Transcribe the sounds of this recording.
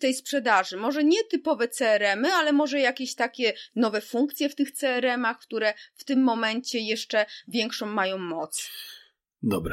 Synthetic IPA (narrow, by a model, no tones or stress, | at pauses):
t̪ɛjspʂɛd̪aʐɘmɔʐɛɲɛt̪ɘpɔvɛt̪sɛːɾɛmɘalɛmɔʐɛjakʲeɕt̪akʲɛnɔvɛfuŋk̚t̪sʲjɛft̪ɘxt̪sɛːɾɛmaxkt̪uɾɛft̪ɘmːɔmɛɲt͡ɕɛjɛʂt͡ʂɛvʲjɛŋkʂɔ̃w̃ːajɔ̃w̃mɔt̪s | d̪ɔbɾa